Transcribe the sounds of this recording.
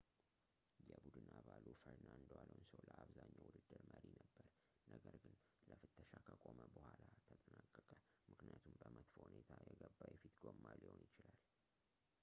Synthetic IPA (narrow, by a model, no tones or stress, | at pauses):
jɛbud̪ɨnʔaβalufəɾnaɨnd̪waləwnsəwləaβzaɲːawud̪ɨd̪ːɨɾməɾinəbːəɾ | nəɡəɾɡɨn | ləfɨt̪ʰːəʃakʰəkʼoməbəhʷalat̪ʰət̪ʼənakʼːəkʼəmɨknijat̪ʰumbəmət̪fhunet̪ʰajɛɡəbːajɛfit̪ɡomːalihonjɪt͡ʃɪlal